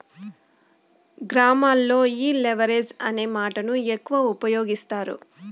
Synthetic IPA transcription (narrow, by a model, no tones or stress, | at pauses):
ɡɾaːmaːlːo̞ːiːleʋɐɾed͡ʒɐ̰ne̞ːmaːʈɐnuekːuʋaupɐjo̞ːɡist̪aːɾṵ